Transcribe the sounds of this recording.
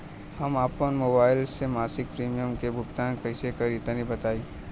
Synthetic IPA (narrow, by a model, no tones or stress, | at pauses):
hɐmaːpənmoːbaːɪlsemaːsɪk̚pɾiːmijəmkebʱʊk̚t̪ãːkɐɦsekɐɾit̪ənibɐt̪aːiː